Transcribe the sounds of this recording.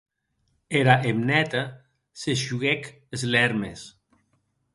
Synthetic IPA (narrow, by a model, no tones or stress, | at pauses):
eɾaʔemnɛt̪a | sesʒuɣɛk | ezlɛɾmes